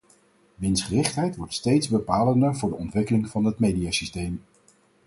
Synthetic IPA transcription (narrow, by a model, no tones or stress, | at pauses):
ʋɪnsχərɪχtɦɛjtʋɔɹtstejtzbəpaːləndəɹvʊːɹdəɔntʋɪkəlɪŋvɑnɦətmejdiasistejm